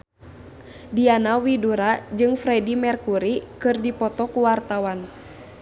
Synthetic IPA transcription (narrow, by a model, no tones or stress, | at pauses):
dianawiduɾad͡ʒɨŋfɾɛdimɛrkuɾikɨrdipɔt̪ɔkuwart̪awan